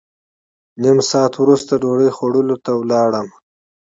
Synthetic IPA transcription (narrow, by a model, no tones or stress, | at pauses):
nimsɑːt̪wɾust̪aɖoɽəjxwaɽulot̪awlɑɽəm